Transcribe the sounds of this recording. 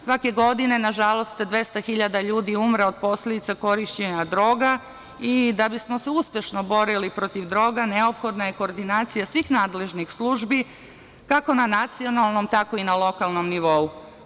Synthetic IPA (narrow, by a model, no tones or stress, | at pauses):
sʋake̞ɡo̞d̪ine̞naʒalˠo̞st̪d̪ʋe̞st̪axiʎad̪aʎuːd̪iumɾeo̞d̪̚po̞sle̞d̪it̪sako̞ɾiʃt͡ɕe̞ɲad̪ɾo̞ːɡa | id̪abismo̞seuspʲje̞ʃno̞bo̞ɾilipɾo̞t̪iʋd̪ɾo̞ːɡaneopxo̞d̪naje̞ko̞ːɾd̪inaːt̪sijasʋixnaːd̪le̞ʒnixslˠuːʒbi | kako̞nanat̪sio̞nalˠno̞mt̪ako̞inalo̞kalˠno̞mniʋo̞u